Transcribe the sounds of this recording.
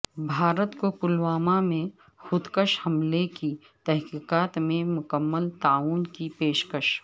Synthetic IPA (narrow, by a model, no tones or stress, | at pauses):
bʱaːɾət̪kokʊlwaːmamẽ | xʊd̪kəʃhɐmleki | t̪ɛɦkiːqaːt̪mẽmʊkəmːəlt̪aːuːnkipeːʃkəʃ